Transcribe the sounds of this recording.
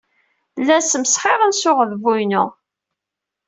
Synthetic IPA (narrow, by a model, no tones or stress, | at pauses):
lːæsəməsχeʁənsʊʁəðvujnʊ̰